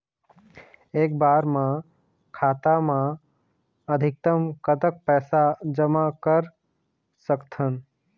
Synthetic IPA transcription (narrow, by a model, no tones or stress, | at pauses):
eːkbaːɾmã | kʰaːt̪amã | əd̪ʱɪk̚t̪əmkət̪ək̚pɛːsad͡ʒəmakəɾ | səkt̪ʰən